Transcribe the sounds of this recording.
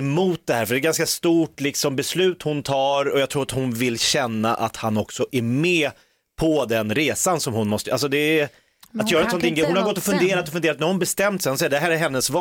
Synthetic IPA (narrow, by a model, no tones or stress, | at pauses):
mʊːt̪̚d̪ɛhæːɾfœɖɛːɾɡanskast̪uːʈlɪksɔmbɛslʉ̟ːt̪hʊnt̪ʰɑːɾɔjɑɡt̪ʰɾuːɾat̪hʊnvɪlɕɛnːaʔa̰t̪hanɔksɔʔæɾmɛː | pʰɔd̪ɛnɾeːsansɔmhʊnmɔst̪əʔals̬ɔd̪ɛ | at̪jœːɾɛnsɔnɪŋɡɾɛjɦʊnhaɾɡɔt̪ːɔfɵnd̪eːɾat̪ɔfɵnd̪eːɾat̪næɾhʊnbɛst̪ɛmt̪sɛjhʊnsɛɪd̪ɛɦæːɾɛɾɦɛnːəsv